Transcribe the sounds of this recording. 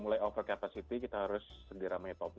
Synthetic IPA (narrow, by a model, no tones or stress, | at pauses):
mulajofərkapasit̪ikit̪aɦaɾʊsːəɡəɾaməit̪ap